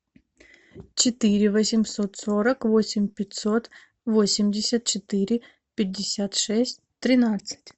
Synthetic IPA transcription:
t͡ɕɪt̪ɪɾʲɪʋɐsʲɪmsot̪soɾɐkʋosʲɪmʲpʲɪtʲsot̪ | ʋosʲɪmʲdʲɪsʲɐt̪̚t͡ʃɪt̪ɪɾʲɪ | pʲɪdʲːɪsʲat̪ʂɛsʲt̚ʲt̪ɾʲɪnat̪sə̥tʲ

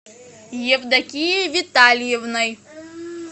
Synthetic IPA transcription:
jɛvd̪ɐkʲijevʲit̪alʲjɛvnɐj

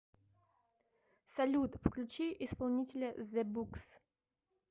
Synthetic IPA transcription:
sɐlʲut̪wklʲut͡ʃijʔispɐlˠnʲitʲelʲɐzɛbuks

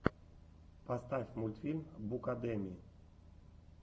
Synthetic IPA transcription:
past̪avʲmulʲt̪fʲilʲmbukad̪emʲi

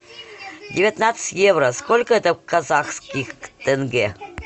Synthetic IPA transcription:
dʲɪvʲɪt̪nat̪sə̥ɨ̥tʲjevɾəskolʲkəɛt̪əkazaxskʲixt̪ənɡʲe

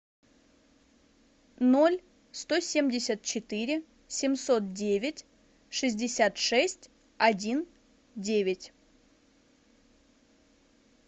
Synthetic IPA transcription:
nolʲ | st̪osʲemʲdʲɪsʲət̪̚t͡ɕɪt̪ɨɾʲɪ | sʲɪmso̞t̪̚dʲevʲɪtʲ | ʂɨzʲdʲɪsʲat̪ʂɛsʲtʲ | ɐdʲin | dʲevʲɪtʲ

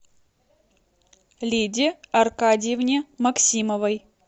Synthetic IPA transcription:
lʲidʲɪɐrkadʲɪjɪvnʲemɐksʲiməvəj

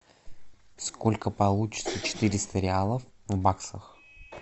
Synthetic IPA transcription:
skolʲkəpɐlˠut͡ɕɪ̥t̪sət͡ɕɪ̥t̪ɨɾʲɪst̪əɾʲɪalˠəfvbaksəx

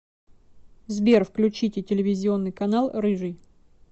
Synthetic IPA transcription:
zbʲerfklʲʉt͡ɕitʲɪtʲɪlʲɪvʲɪzʲɪo̞nːɨjkɐnalˠrɨʐɨj

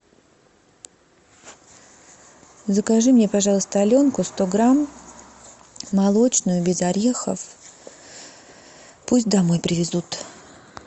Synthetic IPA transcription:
zəkɐʐɨmnʲepaʐɑlˠəst̪əɐlʲo̞nkʊst̪o̞ɡɾam | ɐlˠo̞t͡ɕnʊjʊbʲɪzɐɾʲexə̰f | pusʲt̚ʲd̪ɐmo̞jpɾʲɪvʲɪzut̪

